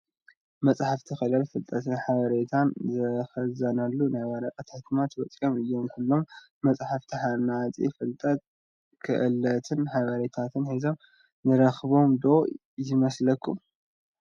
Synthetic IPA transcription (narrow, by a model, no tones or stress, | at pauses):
mɐt͡sʼħaft̪ʰixɨlɐlfɨlt̪ʼɐt̪ʰɨnħaβɐɾet̪ʰanzɐxɐzɐnɐlːunajwaɾɐkʼɐt̪ʰħt̪ʰɨmat̪bɐt͡sʼio̞mɨjːo̞mjɪħɨlːo̞mː | ɐt͡sʼħaft̪ʰiħanat͡sʼḭfɨlt̪ʼɐt̪̚ | kʰɨ̰ʔɨlɐt̪ʰɨnħaβɐɾet̪ʰat̪ʰɨnhizo̞m | nɨɾɐxβo̞md̪o̞ | jɨmɐslɐkʰːum